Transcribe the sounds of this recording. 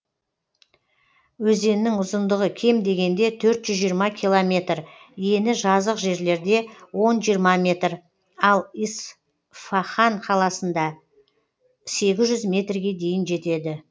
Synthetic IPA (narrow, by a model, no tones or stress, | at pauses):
wɵze̞nːɪŋʊzənd̪əʁəkʲʰe̞md̪e̞ɡʲe̞nd̪e̞t̪ʰɵɾt̪ʒ̥ʏzʒijəɾmɑkʲʰilˠomʲe̞t̪r | je̞nɪʒɑzəqʒe̞ɾle̞ɾd̪e̞wo̞nʒijəɾmɑmʲe̞t̪r | ɑlˠis | faχanqʰɑlˠɑsənd̪ɑ | se̞ɡʲɪzʒʏzmʲe̞t̪rɡʲe̞d̪e̞jɪnʒe̞t̪e̞d̪ɪ